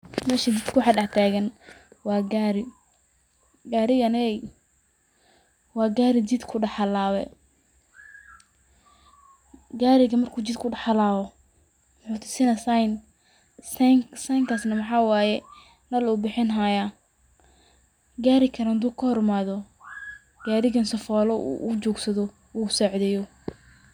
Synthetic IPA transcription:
mɛːʃɐd͡ʒɪd̪kʰʊwħɑdɑħt̪ʰaːɣɐn | wɑːɡaːɾɪ | ɡaːɾɪɣɐnɛj | wɑːɡaːɾɪd͡ʒid̪kʰʊɖɑħɑlaːwɛ | ɡaːɾɪɣɐmɐrkʰuːt͡ʃɪd̪kʰʊɖɑħɑlaːβɔ | mʊħuːt̪ʰʊ̥sɪnɐsajn | ssɐjŋkʰaːsnɐmɑħɑːwɑːjɛ | nɐluːbɪħɪnɦaja | ɡaːɾɪkʰɐɾaːnd̪uːkʰɐhɔrmaːðɔ | ɡ̥aːɾɪɣɐnsɐfɔːlɔṵʔːt͡ʃɔːɡsɐðɔ | uːsɔʕðɛjɔ

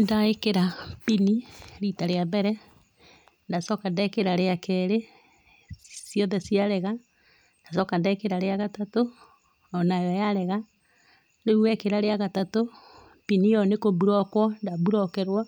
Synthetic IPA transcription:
ndaekeɾapiniɾitaɾeabɛɾɛ | ndasɔkandaekeɾaɾeakɛɾe | sjɔðɛsiaɾɛɣa | nd̥asɔkandaekeɾaɾeaɣatato | ɔnajɔjaɾɛɣa | ndeuɛkeɾaɾeaɣatato | pinijɔnekoβuɾɔkwɔndabuɾɔkɛɾwa

